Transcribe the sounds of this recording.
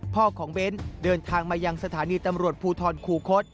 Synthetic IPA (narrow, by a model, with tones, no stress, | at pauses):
pʰɔː˥˩kʰɔː˩˦ŋbe˦˥ndɤː˧nt̪ʰaː˧ŋmaː˧ja˧ŋsa˧t̪ʰaː˩˦niː˧t̪a˧mɾu˨˩ət̪̚pʰuː˧t̪ʰɔː˧nkʰuː˧kʰo˦˥t̪̚